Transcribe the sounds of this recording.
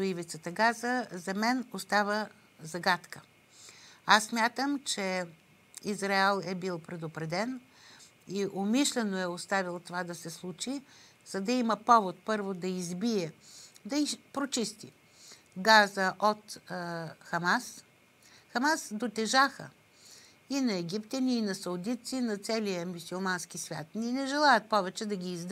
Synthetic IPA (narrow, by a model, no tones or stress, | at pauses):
t̪oivit̪sət̪əɡazəzɐmɛnost̪avə | zɐɡat̪kə | asːmʲjat̪əmt͡ʃɛ | izɾaɛlˠɛbilˠpɾɛd̪opɾɛd̪ɛn | iʔomiʃlɛnoɛost̪avilˠt̪ovad̪ɐsɛslˠut͡ʃi | z̥ɐd̪ɐiməpɔvot̪pɤɾvod̪ɐizbiɛd̪ɐipɾot͡ʃist̪ḭ | ɡazəʔot̪ | xɐmas | xɐmasd̪ot̪ɛʒaxə̰ | inɐɛɡʲipt̪ʲɐnʲiːnɐsɐʊd̪it̪sinɐt̪sɛlijəmusulˠmanskisvʲja̰t̪nʲinɛʒɛlˠajət̪̚pɔvɛt͡ʃɛd̪ɐɡʲiːzd̪